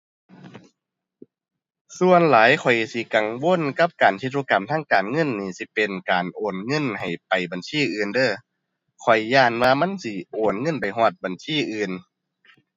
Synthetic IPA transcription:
su˧ənlaː˨˦jkʰɔ˨˩jsi˧˦ka˨ŋwo˧˥˨nka˧˦p̚kaː˨˩ntʰi˧t̪̚u˧˨ka˨˩mt̪ʰaː˥˨ŋkaː˨nŋɤ˧˥˨nːiː˧˩si˧˦pe˨˩nkaː˨˩nʔoː˨˩nŋɤ˧˥˨nha˨˩jpa˨˩jba˨nsiː˧˩˨ʔɯː˨˩ndɤː˧˩ | kʰɔ˨˩jːaː˧˩nwaː˧ma˧˥˨nsi˧ʔoː˨˩nŋɤ˧˥˨npa˨˩jɦɔː˧˩t̪̚ba˨˩nsiː˧˥˨ʔɯː˨˧˩n

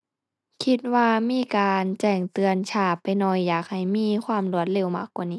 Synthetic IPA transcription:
kʰi˧t̪̚waː˧miː˧˥˨kaː˨nt͡ɕɛː˧˩ŋt̪ɯ˨˧ənt͡ɕʰaː˧˩pːa˨jnɔ˧˩jːaː˨˩k̚ha˨˩jmiː˧˥˨kʰwaː˧˥˨mlu˧˩ət̪̚le˧˩˨wma˧˦kːwaː˧˨niː˧˥˨

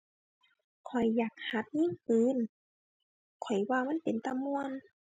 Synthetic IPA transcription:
kʰɔ˨˩jːaː˨˩k̚ha˧˦p̪̚ɲiː˧˥˨ŋkɯː˨˧˥n | kʰɔ˨˩jwaː˧ma˧˥˨npe˨nt̪a˧˨mːu˧˨ən

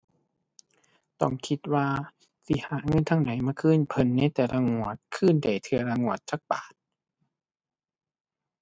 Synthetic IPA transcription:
t̪ɔ˧˩ŋkʰi˧˦t̪̚waː˧ | si˧˦haː˨˩˦ŋɤ˧˥˨nt̪ʰa˧˥˨ŋda˨˦jmaː˧kʰɯː˧˥˨npʰɤ˧˥˨nːa˧˥˨jt̪ɛː˨˧˦la˧ŋu˧˩ət̪̚kʰɯː˧˥˨nda˨˩jt̪ʰɯ˧ɐla˧ŋu˧˩ət̪̚t͡ɕaː˧˦k̚paː˨˩t̪̚

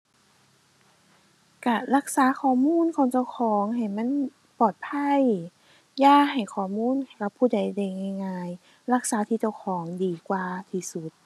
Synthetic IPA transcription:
ka˧˩la˧˥˩k̚saː˨˦xʰɔː˨˩muː˧˥˨nkʰɔː˨˧˦ŋt͡ɕa˧˥˩wkʰɔː˨˦ŋɦa˨˩jma˧˥˨n | pɔː˨˩t̪̚pʰa˧˥˨j | jaː˧˥˩ha˨˩jkʰɔː˨˩muː˧˥˨na˨˩jka˧˦pʰːuː˧˩da˨˧˩jda˧˩jŋa˧˩jŋaː˧j | la˧˩k̚saː˨˦t̪ʰiː˧˩t͡ɕa˧˩wkʰɔː˩˦ŋdiː˨˦kwaː˧˩t̪ʰiː˧˩su˨˦t̪̚

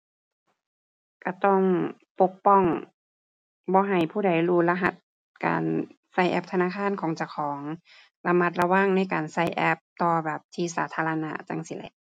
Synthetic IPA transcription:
ka˧˩t̪ɔ˧˩ŋpo˧˩k̚pɔ˧˥˩ŋ | bɔː˧˦ɦa˨˩jpʰuː˧˥˩da˨˩jluː˧˩la˧ɦa˧˩t̪̚ | ka̰ː˨˩n | sa˧˩jʔɛ̰˧˦p̚t̪ʰnaː˧˥˨kʰaː˧˥˨nkʰɔː˨˦ŋt͡ɕa˧˩wkʰɔː˩˨˦ŋ | la˧ma˧˩t̪̚la˧wa˧˥˨ŋna˧˥˨jkaː˨˩nsa˧˩jʔɛ˧p̚t̪ɔː˧bɛː˨˩p̚t̪ʰiː˧saː˨˦t̪ʰaː˧la˧na̰˧˥ʔt͡ɕa̰˧ŋsi˧lɛ̰˧˦ʔ

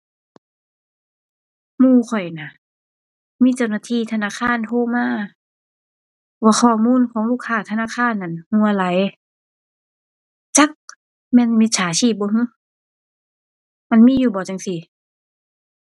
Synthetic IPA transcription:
muː˧˩˨kʰɔ˨˩jna˧˩˨ | miː˧˥˨t͡ɕa˧˩wnaː˧t̪ʰiː˧˥˨t̪ʰa˧naː˧˥˨kʰaː˧˥˨nt̪ʰoː˧˥˨maː˧˥˨ | waː˧˩xʰɔː˧˩muː˧˥˨nkʰɔː˨˦ŋluː˧˥˨kʰːaː˧˩t̪ʰa˧naː˧˥˨xʰaː˧˥˨nʔa˧˩˨nhu˧˩˨a˧la˨˦j | t͡ɕa˧˦k̚ | mɛː˧˥˨nmi˧t̪̚sʰaː˨˦t͡ɕʰiː˧˩p̚ːɔː˧˦ɦu˧˥˨ | ma˧˥˨nmiː˧˥˨juː˧˩bɔː˨˩t͡ɕa˨˧ŋsi˧˩

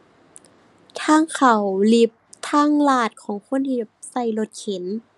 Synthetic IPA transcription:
t̪ʰaː˧˥˩ŋkʰa˨˩wli˧˩p̚t̪ʰaː˥˩˨ŋlaː˧˩t̪̚kʰɔː˩˦ŋkʰo˧˥˨nt̪ʰiː˧˩ | sa˧˩jlo˧˦t̪̚kʰe˨˩˦n

